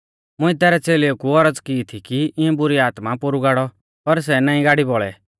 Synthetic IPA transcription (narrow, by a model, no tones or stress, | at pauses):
mʊ̃ĩt̪ɛːɾɛt͡seːleokuɔɾəd͡zkɪːt̪ʰikiɪũbʊɾiaːt̪mapʊɾuɡaːɽɔ | pɐɾs̬ɛnaːĩɡaːɽibɔɭɛ̰